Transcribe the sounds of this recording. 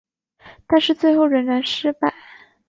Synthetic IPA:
t̪a˥˧nʂɻ̩˥˧t͡swe˥˧ɪxo˥˩ʊɻə˧˥nɻa˧˥nʂɻ̩˥pa˥˨˩ɪ

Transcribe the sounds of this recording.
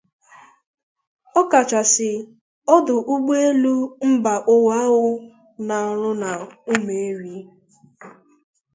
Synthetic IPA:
ɔ˦ka˨t͡ʃa˨sɪ˨ | ɔ˦dʊ˨ʔu˦ɡ͡be˦e˦lu˦m̩˦ba˨ʔʊ˦wa˦ɣʊ˦ | na˨ɾʊ˦na˨u˦me˨e˦ɾi˨˦

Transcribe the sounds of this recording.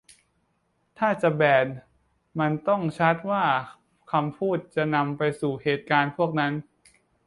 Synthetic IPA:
t̪ʰaː˥˩t͡ɕa˨˩bɛː˨˩n | ma˧nt̪ɔ˥˩ŋt͡ɕʰa˦˥t̪̚waː˥˩ | kʰa˧mpʰuː˥˩t̪̚t͡ɕa˨˩na˧mpa˧jsuː˨˩heː˨˩t̪̚kaː˧npʰu˥˩ək̚na˦˥n

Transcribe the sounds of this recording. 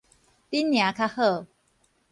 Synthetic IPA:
t̪i˦˥nːja˨˦kʰa˧hɤ˥˨

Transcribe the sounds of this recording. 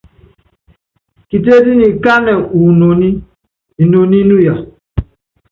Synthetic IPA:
ki˨t̬e˦di˦ni˨ka˦nɛ˨u˨no˨ni˦ | i˨no˨ni˦nu˦ja˨

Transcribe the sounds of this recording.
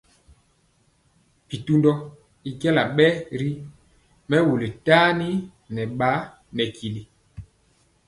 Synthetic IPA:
pi˨tu˦ndɔ˦ | i˨kɛ˦la˨ɓɛ˦ɾi˦ | mɛ˦wu˨le˨taː˦ni˦ | nɛ˨ɓa˨˦ | nɛ˨ki˨li˨

